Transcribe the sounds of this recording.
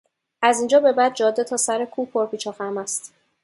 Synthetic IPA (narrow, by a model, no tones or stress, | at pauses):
æzind͡ʒɒːbe̞bæd̪̚d͡ʒɒːd̪ːet̪ʰɒːsæɾekʰuːpʰoɾbiːt͡ʃʰɒːxæɾmæst̪